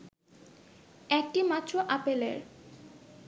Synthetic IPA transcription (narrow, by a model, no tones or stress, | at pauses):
ɛk̚ʈimat̪ːɾoʔapelḛɾ